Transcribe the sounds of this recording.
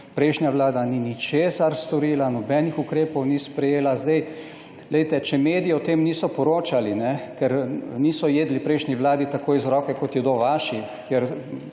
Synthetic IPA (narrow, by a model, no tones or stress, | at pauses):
pɾɛjʃnjaʋlaːd̪aninit͡ʃeːsaɾst̪ɔɾiːlanɔbɛːnixukɾeːpɔwnispɾɛjeːlazd̪ɛj | lɛjt̪ɛt͡ʃɛmeːd̪ijiɔt̪eːmniːsɔpɔɾoːt͡ʃalinɛkɛɾniːsɔjeːd̪lipɾɛjʃnʲiʋlaːd̪it̪akoːizɾɔːkɛkɔt̪jɛd̪oʋaːʃi | kjeɾ